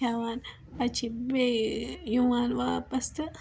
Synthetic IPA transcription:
aːʋaːn | ɐt͡ʃʰibejuwaːnʋaːpɐst̪ɨ

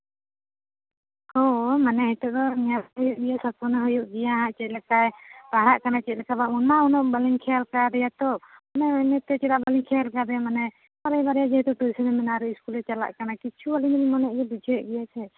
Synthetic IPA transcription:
homanɛɦɛt̪ɔʔd̪ɔnijat̪ɦɔjuʔɡɛjasɔt̪̚punaɦɔjuʔɡɛjaɦãʔt͡ʃɛc̪̚ˀlɛkajbaɦɾaʔkanat͡ʃɛc̚ˀlɛkabaunmaunɔʔbaliŋkʰɛalkad̪ɛjat̪ɔɔnɛɛnɛt̪ɛt͡ʃɛɾaʔbaliŋkʰɛalkad̪ɛjamanɛ | aɾɛjbaɾɛjad͡ʒɛɦt̪ɔʈujsənɛmɛnaɾɛiskulɛt͡ʃala̰ʔkanakit͡ʃʰubalinnimɔnɛʔɡɛbid͡ʒʰʱɔɛʔɡɛjat͡ʃʰɛ

